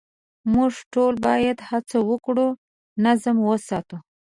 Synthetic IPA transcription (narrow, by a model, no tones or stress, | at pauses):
muʐʈolbɑjad̪hat͡sawəkɽu | nazəmwəsɑt̪u